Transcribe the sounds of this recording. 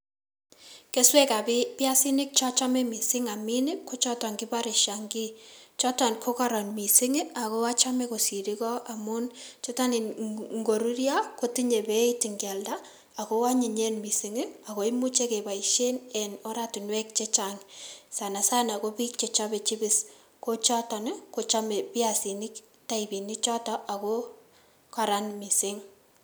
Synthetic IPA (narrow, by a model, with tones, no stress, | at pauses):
ke˦swɛ˦ka˨bɪ˦pja˦si˦nɪ˦k̚t͡ʃɔ˦t͡ʃa˦mɛ˦mi˨sɪ˦ŋa˨mi˦nɪ˦ko˦t͡ʃɔ˦tɔ˨ŋɡi˦ba˦ɾɪ˨ʃaŋɡi˦t͡ʃɔ˦ta˨nkʰo˦ka˦ɾɔ˨nmi˨sɪ˦ŋɪ˦a˨ko˦a˦t͡ʃa˦me˦ko˨si˨ɾikɔ˦a˨mʊ˦nt͡ʃɔ˦ta˦ni˨ŋɡo˨ɾu˦ɾja˦ko˦ti˦ɲe˨be˦iti˨ŋɡja˨lda˦ | a˨kowa˦ɲi˨ɲe˦nmi˨sɪ˨ŋɪ˦ako˨˦imu˦t͡ʃe˦ke˨ba˨iʃe˦nɛno˦ɾati˨nwɛ˦k̚t͡ʃe˦t͡ʃaŋsa˨na˨sa˦nakopi˦k̚t͡ʃet͡ʃabe˨t͡ʃɪ˦bɪ˦s | ko˦t͡ʃɔtɔ˨ne˦ko˨t͡ʃa˦me˨pi˦asi˨nɪk | ta˦ibi˨nit͡ʃɔ˦tɔ˦ʔa˨ko | ka˨ɾanmi˨sɪ˦ŋ